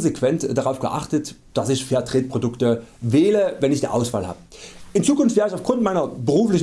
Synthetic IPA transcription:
zekv̥ɛntd̥aʁaʊfɡ̥ə̰ʔa̰χtət | d̥asɪçfɛɐtʁ̥eːt̚pʁ̥odʊktəvɛːləvɛnɪçd̥ḭːʔaʊsv̥a̰ːlha̰ːbəʔɪnt͡suːkʊnftveːʁəɪçaʊfɡ̥ʁʊntmaɪnɐbəʁuːflɪç

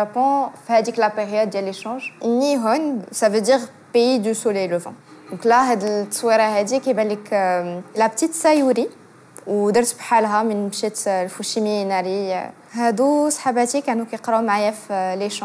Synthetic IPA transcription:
æpɔ̃fihæd̪iklapeʁjud̪̚ːjælːeʃɑ̃ʒnːiɦʊnsævød̪iʁ | peid̪ysuleləfɑ̰̃d̪̥ɔ̃klæɦæd̪əlt̪ːɑ̥swiɾˤɑɦæd̪ikæbæliklæbt̪it̪sæjuɾi | wd̪əɾt̪bħalɦæmənbʃit̪lfuʃiminæɾḭ | hæd̪usˤħabæt̪ikæʕnukæjqɾumaʕjæfleʃɑ̃

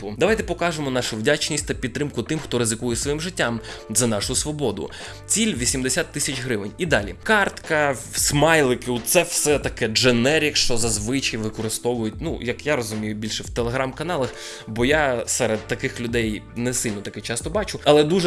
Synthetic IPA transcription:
ʊd̪ɐʋajt̪ɛpɔkɑʒemɔnɑʃʊwdʲat͡ʃnʲisʲtʲt̪ɐpʲid̪t̪ːɾɪmkʊt̪ɪmxt̪ɔɾɪzɪkujɛsʋɔjimʒɪtʲːamzɐnɑʃʊsʋɔbɔd̪ʊ̰ | t͡sʲilʲʋʲisʲimd̪esʲat̪ːɪsʲɐt͡ʃʲɦɾɪʋɪnʲid̪ɑlʲḭkɑrt̪kɐsmɑjlˠɪkɪusɛwsɛt̪ɐkɛʒenɛɾʲikʃt͡ʃɔzɐzʋɪt͡ʃɐjʋɪkɔɾɪst̪ɔʋʊjʊt̚ʲnujɐkjaɾɔzʊmʲijʊbʲilʲʃɛwt̪elˠeɦɾɑmkɐnɑlˠɐx | bɔjasɛɾed̪̚t̪ɐkɪxlʲʊd̪ɛjnɛsɪlʲnɔt̪ɐkɛt͡ʃɑst̪ɔbɑt͡ʃʊɐlˠɛd̪uʒɛ

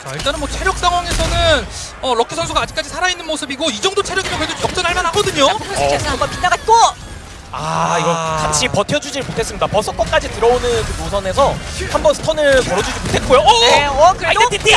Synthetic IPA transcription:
t͡ɕaiɭt͈anɯnmwʌt͡ɕʰe̞ɾjʌk̚s͈aŋɦwaŋe̞sʰʌnɯn | ʌɾʌkʰesʰʌns̬ʰuɡaːd͡ʑi̥k͈ad͡ʑisʰaɾainːɯnmosʰɯbiɡoid͡ʑʌŋdot͡ɕʰeɾjʌɡimʌnkɯɾedot͡ɕʰʌk̚t͡ɕ͈ʌnɦaɭmanɦaɡʌdɯɲoʌmapinːaɡat͈o | aiɡʌsamɕ͈ʰipʌtʰjʌd͡ʑud͡ʑiɾɯɭmotʰe̞s͈ɯmɲidapʌs͈ʰʌk͈ʌk͈ad͡ʑitɯɾʌonɯnkɯmosʰʌne̞sʰʌhambʌnsʰɯ̥tʰʌnɯɭkʌɾʌd͡ʑud͡ʑimotʰe̞t̚k͈ojoktʰtʰ

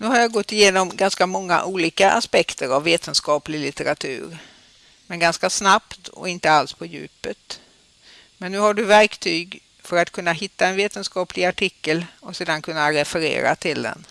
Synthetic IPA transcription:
nʉ̟ɦaɾjaɡɔt̪ːɪjeːnɔmɡanskamɔŋːa̰ʔuːliːkaʔa̰spɛkt̪ʰəɾavːeːt̪ʰənskɑːplɪlɪt̪əɾat̪ʰʉ̟̰ːɾ | mɛnɡanskasnapt̪ʰɔ̰ɪnt̪əalspʰɔjʉ̟̰ːpət̪ | mɛnːʉ̟ːhaɖɵvæɾkt̪ʰyːɡ | fœɾat̪kʰɵnːaɦɪt̪ːaɛnveːt̪ənskɑːplɪaʈʰɪkːəlɔseːd̪ankʰɵnːaɾɛfɛɾḛːɾa̰t̪ʰɪld̪ɛ̰n

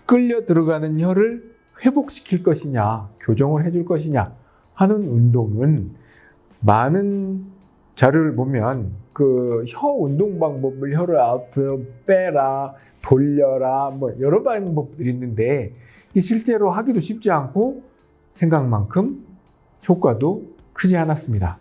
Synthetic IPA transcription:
k͈ɯʎːʌdɯɾʌɡanɯnçjʌɾɯɭ | ɸwe̞bok̚ɕ͈ʰi̥kʰiɭk͈ʌɕʰiɲakjod͡ʑʌŋɯɭɦe̞d͡ʑuɭk͈ʌɕʰiɲa | hanɯnundoŋɯn | manɯn | t͡ɕaɾjoɾɯɭpomjʌnkɯçʌundoŋbaŋbʌbɯɭçjʌɾɯapʰʌp͈eɾa | toʎːʌɾamwʌjʌɾʌbanɯnbʌp̚t͈ɯɾinːɯnde̞ | iɕʰiɭt͡ɕ͈e̞ɾoɦaɡidoɕʰip̚t͡ɕ͈iankʰo | sʰe̞ŋɡaŋmaŋkʰɯm | çʰjok͈wado | kʰɯd͡ʑianas͈ɯmɲida̰

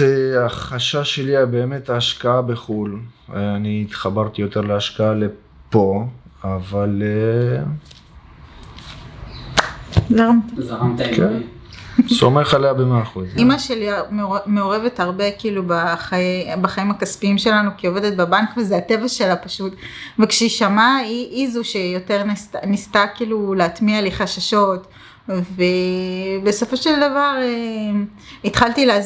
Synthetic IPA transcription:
eaχaʃaʃe̞liabe̞ːme̞taːʃkaabe̞χulaniːt̪χabaʁt̪ijo̞t̪e̞ʁleaʃkaale̞ | po̞avale | zaʁamt̪akʰen | so̞me̞χalejabe̞meaːχuzimaʃeliammeo̞ʁe̞vetaʁbe̞kiːlubaχaebaχaimakaspiimʃe̞lanukio̞ve̞d̪et̚babankvezeate̞vaʃe̞lapaʃutvekʃeiʃamaiʔizuʃejo̞teʁnstnist̪akiːluleat̪mialiχaʃaʃo̞t | vebe̞so̞fo̞ʃeld̪avaʁe | it̪χalt̪ileaz

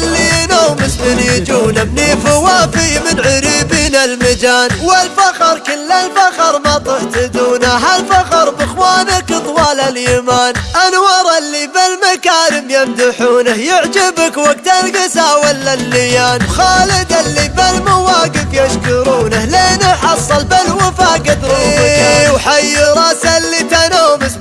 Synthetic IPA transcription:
lːinaːmɪsmɪnjɪd͡ʒuːnamniːfɪwaːfɪmɪnʕʊɾiːbiːnalmɪd͡ʒaːnwɪlfɑqɨɾˤkɪlːalfɑqɨɾˤmat̪ˤʊħt̪ɪd̪uːnaɦalfɑqɨɾˤbɪxwaːnakɨt̪ˤwɑːlaljamaːnʔanwɑɾˤɑlːibɪlmakaːnʊmjamd̪ʊħuːnahjɪʕd͡ʒɪbakwaɡ̚t̪alɡasawalːalːɪjaːnwxaːlɪd̪alːibɪlmʊwaːɡɪfjaʃkʊɾuːnahleːnaħɑsˤːɑlbɪlwafaːɡɪd̪ɾuiwħajːɾˤɑːsalːit̪anaːmʊs

